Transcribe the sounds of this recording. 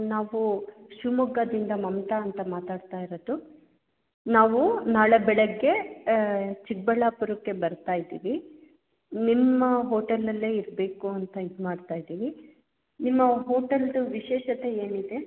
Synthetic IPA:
naːʋuʃumuɡɐd̪ind̪ɐmɐmt̪aːnt̪ɐmaːt̪aːɽt̪aːjiɾod̪u | naːʋunaːɭebɛɭeɡːe̞ | t͡ʃik̚bɛɭaːpuɾukːe̞bɐɾt̪aːjd̪iːʋi | nimːɐɦoːʈɐlːɐlːe̞ːiɾbe̞ːkuɐnt̪ɐid̪maːɖt̪aːjd̪iːʋi | nimːɐɦo̞ːʈɐld̪ʋiʃɛːʃɐt̪e̞eːnid̪e̞

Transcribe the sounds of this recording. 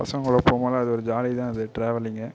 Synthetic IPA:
ɐ̰sɐŋɡɐɭɐpoːmɐːlaɐðɯɔɾɯd͡ʒaːlit̪ãːɐðɯʈɾeːʋɐlɪŋɡɐ

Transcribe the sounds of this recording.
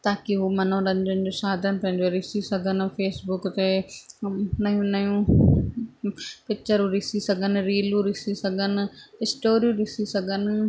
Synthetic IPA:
t̪aːkiɦuːmɐn̤õɾɐ̃nd͡ʑ̪ʊnɪ̆d͡ʑosaːd̪ʱənɪ̆pɐ̃ɦɪ̃ɲd͡ʑoɾɪsisɐɡʱənɪ̆feːsbʊkt̪e | nɐjũnɐjũ | pɪt͡ɕəɾũɾɪsisɐɡʱənɪ̆ɾiːlũɾɪsisɐɡʱənɪ̆ɦɪsʈoːɾijũɾɪsisɐɡʱənɪ̆

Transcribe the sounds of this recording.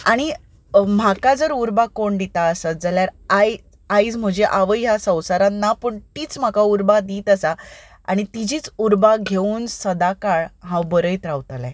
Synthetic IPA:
aɽ̃i | m̤akad͡zəɾuɾbakoɳɖ̪it̪aəsəd͡zaljaɾaj | ajd͡zm̤əd͡ʑeʔaʋəjjasə̃w̃saɾanapəɳt̪iːt͡sm̤akauɾbad̪iːt̪əsa | a̰ɽ̃it̪id͡ʑiːt͡suɾbaɡʱeuːnsəd̪akaɭɦãwbəɾəjt̪ɾaʋt̪əlɛ̰̃

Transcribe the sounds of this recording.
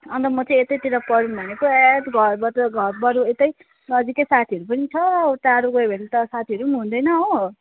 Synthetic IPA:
ʌnt̪ʌmʌt͡sʌĩet̪ʌjt̪iɾapʌɾunbʱʌnekoet̪ɡʱʌrbʌt̪ɡʱʌrbʌɾuet̪ʌj | nʌd͡zikʌsat̪ʰiʌɾupʌnit͡sʰʌt̪aɾuɡʌbʱʌnet̪ʌsat̪ʰiʌɾuʌnɦũnd̪ʌjnʌo

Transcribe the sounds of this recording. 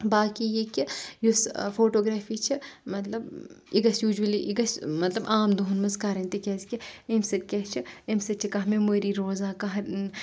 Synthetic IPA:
baːkijekijusfoːʈoːɡɾaːfit͡ʃʰimɐt̪lɐbiɡɐsjuːd͡ʒuɐliʔiɡɐsmɐt̪lɐbʔaːmd̪oɦnmɐzkaːɾɐ̃nt̪ikʲɛːskʲiemsɐt̪̚kʲɛːt͡ʃʰiemsɐt͡ʃʰikɐɦmemoːɾiɾoːzaːkɐɦɐ

